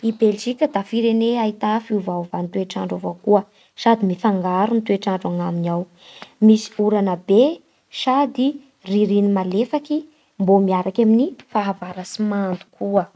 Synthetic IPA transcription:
ibelʒikʲəd̪afiɾeneait̪afiuvauvanit̪ueʈ͡ʂaɳɖ͡ʐovokuə | sad̪imifaŋɡaɾunit̪ueʈ͡ʂaɳɖ͡ʐaŋaminaw | misi̥uɾanəbe | sad̪i | riɾinimalefaki | mbomiaɾakaminifaɦavaɾasimand̪u̥kʰuə

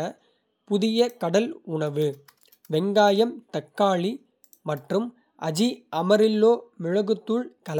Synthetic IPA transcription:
ɐ | pʊðɪjɐkɐɽɐlʊɳɐʋɯ | ʋɛŋɡaːjɐmt̪ɐkːaːɭi | mɐʈrɯm | ʔɐd͡ʒiʔɐmɐɾɪlːoːmɪɻɐɣɯt̪ːɯɭkɐl

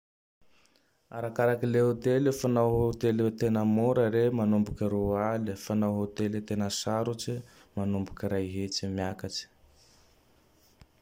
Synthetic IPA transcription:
a̰ɾakaɾakileot̪elefanawɦot̪elit̪enəmoɾəɾemanumbukiɾualifanawɦot̪elit̪enəsaɾut͡si | manumbukiɾajɦet͡simjakat͡ʃi̥

